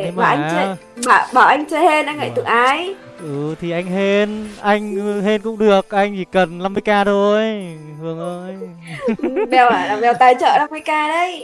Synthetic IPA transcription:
maː˨˩ʔa˧˩jŋə˧ | ɓaː˨˩ɓa˧˨˩ʔa˧jŋ̟t͡ɕəː˧˩he˧nʔa˧jŋə̰˧˨˩jt̪ɨ̰˧˩˨ŋʔaː˧˩j | ʔɨ˨˩t̪ʰi˨˩ʔa˧jŋ̟ɦe˧nʔa˧jŋ̟ɦe˧nkʊ̰˧˥ŋ͡mɗɨ˨˩ək̚ʔa˧jŋ̟zi˨˩kə˨˩nla˧mːɨ˧əjkaː˧t̪ʰo˧jhʰɨ˨˩əŋʔə˧j | ɨ˨˩ɓɛ˨˩wa˨˩ɓɛ˨˩wt̪aː˨˩jt͡ɕə̰ː˧˨na˧mːɨ˧jkaː˧ɗə˧˦j

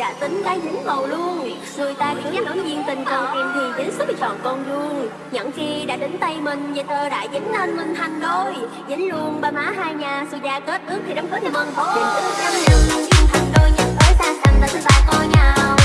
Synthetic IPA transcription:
ɗa̰ː˧˥t̪ï˨˦ŋ̟kaː˨˦jɲɨ˨˦ŋmə˨˩wlu˧ən | su˧˩əjt̪aː˧kʊ̰˧˥ŋɲaː˨˦˥k̚ɗo˨˦zi˧ənt̪ï˨˩ŋ̟t͡ɕə˧wʔɛ˧mt̪ʰi˨˩zɨ˨˦ŋ̟sɨ˦˥t̚i˨˩t͡ɕɔ̰˧˨nkɔ˧nzu˧ən | ɲə̰˧˨nxi˧ɗa̰ː˧˥ɗe˨˦ŋ̟t̪ə˧jmï˨˩ŋ̟ɲɨ˨˩t̪əː˧˩ɗa̰ː˧˨jzɨ˨˦ŋ̟ləː˧nmï˨˩ŋ̟t̪ʰa˨˩jŋ̟zo˧j | zɨ˨˦ŋ̟lu˧ənɓaː˧maː˨˦˥ɦaː˧jɲaː˨˩su˧zaː˧˩kə˦˥t̚ʔɨ˦˥ək̚t̪ʰi˨˩ɗə˨˦wŋ͡mfʰəː˧˨˦t̪ʰi˨˧˩mə˧˩n̚ʰ˨˩ḭ˧˨nsɨ˦˥˧a˨˧˦lḭ˨˧˩ə˧ki˧nt̪ʰa˨˩ŋ̟ɗo˧jɲə̰˧˥nfɔː˨˦jsaː˧˦sa˨˩ŋt̪aː˧˩t̪ʰɨ˧˩t̪a̰ː˧˥kɔ˧jɲa˧

